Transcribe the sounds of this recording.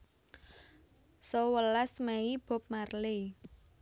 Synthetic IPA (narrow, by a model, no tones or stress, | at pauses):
sowəlasmɛib̥o̤p̚marle